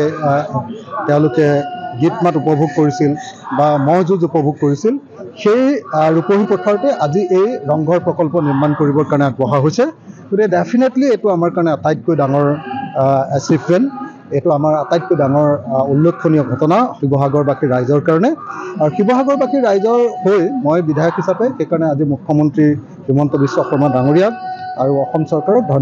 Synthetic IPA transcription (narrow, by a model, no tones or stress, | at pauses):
tɛʊ̃lʊkɛɡitmatupɔbʱuɡ̚koɹisilbamɔɦzuzupɔbʱuɡ̚koɹisil | xejɹupoɦipɹɔtʰaɹtɛʔaziʔejɹɔŋɡʱɔɹpɹɔkɔlpɔniɹmankoɹibɔɹkaɹɔnɛaɡbɔɦaɦojsɛɡ̥otikɛdepʰinetlietʊamaɹkaɹɔnɛatajt̚kojdaŋɔɹ | ɛsipʰːen | etuamaɹatajt̚kojdaŋɔɹulːokʰːonijɔɡʱɔtɔnaxibɔɦaɡɔɹbakʰiɹajzɔɹkaɹɔnɛaɹuxibɔɦaɡɔɹbakiɹajzɔɹhojmojbidʱajɔkʰɦisapɛxejkaɹɔnɛazimukʰjɔmɔntɹi | bimɔntɔbiswɔxɔɹmadaŋoɹijab̚aɹuɔxɔmsɔɹkaɹɔk̚dʱɔn